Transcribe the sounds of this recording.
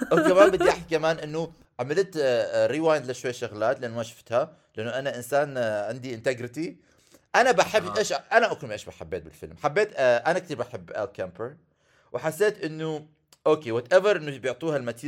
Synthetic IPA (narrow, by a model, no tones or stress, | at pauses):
kamaːnbɪd̪iʔaħt̪ikamaːnʔɪnːʊ | ʕamɪlt̪ɾiːwaːjnd̪laʃwajːʃʊɣlaːt̪lʔanːmaʃḁft̪ha | lʔanːʊʔanaʔɪnsaːnʕɪnd̪iʔɪnt̪eɡɾɪt̪i | ʔanabaħɪbʔeːʃʔanaʔʊkʊnmiʔeːʃbaħabːeːt̪̚bɪ̰lfɪ̰lmħabːeːt̪ʔanakt̪iːɾbaħɪbːʔa̰lkampəɾ | wʔɪħasːeːt̪ʔɪnːʊ | ʔoːkeːwɑt̪ʔɛvɑɾˤʔɪnːubjʊʕt̪ˤiːhalmat̪iː